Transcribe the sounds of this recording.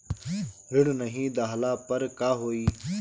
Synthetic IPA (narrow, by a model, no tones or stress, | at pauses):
ɾɪɽnəɦĩːd̪aːɦlaːpəɾkaːɦoːiː